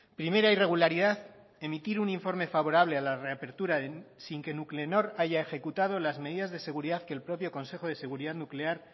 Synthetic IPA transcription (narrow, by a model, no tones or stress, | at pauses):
pɾime̞ɾaire̞ɣ̞ulaɾiðað | e̞mit̪iɾuniɱfo̞ɾme̞faβo̞ɾaβle̞alare̞ape̞ɾt̪uɾaðesiŋke̞nukleno̞ɾaʝae̞xe̞kut̪að̞o̞lazme̞ðiðazðe̞se̞ɣ̞uɾiðaðkelpɾo̞pjo̞ko̞nse̞xo̞ð̞e̞se̞ɣuɾiðaðnukle̞aɾ